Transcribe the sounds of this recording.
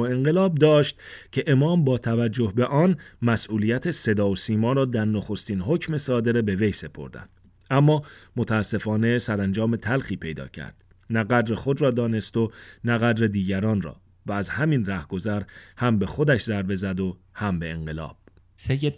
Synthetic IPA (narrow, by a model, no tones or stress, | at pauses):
oe̞ŋɢe̞lɒːb̚d̪ɒːʃt̪cʰe̞ʔemɒːmbɒːt̪ʰævæd͡ʒːo̞hbe̞ʔɒːnmæsʔuːlijæt̪ʰe̞se̞d̪ɒːosiːmɒːɾɒːd̪æɾnoxo̞st̪iːnɦo̞cme̞sɒːd̪e̞ɾebe̞ve̞jse̞pʰo̞̰ɾd̪æ̰nd̪̥ | æmːɒːmot̪ʰææsːe̞fɒːne̞sæɾænd͡ʒɒːme̞t̪ʰælxiːpʰe̞jd̪ɒ̰ːcʰæ̰ɾd̪̥ | næɡæd̪ɾe̞xo̞d̪rɒːd̪ɒːne̞st̪o̞næɣæd̪ɾe̞d̪iːɟæɾɒːnrɒ̰ː | væːzhæmiːnræhɡ̥o̞zæɾhæmbe̞xo̞d̪æʃzæɾbe̞zæd̪o̞ | hæmbe̞eŋɢe̞lɒ̰ːb̥ | sejːed̪